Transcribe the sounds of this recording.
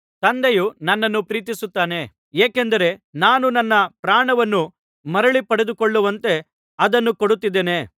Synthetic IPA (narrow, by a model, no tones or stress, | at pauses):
t̪ɐnd̪ejunɐnːɐnːupɾiːt̪̬isut̪ːaːne̞ | eːkend̪ɐɾe̞naːnunɐnːɐpɾaːɳɐʋɐnːu | mɐɾɐɭipɐɽed̪ukoɭːuʋɐnt̪e̞ | ɐd̪ɐnːukoɽut̪ːid̪ːeːne̞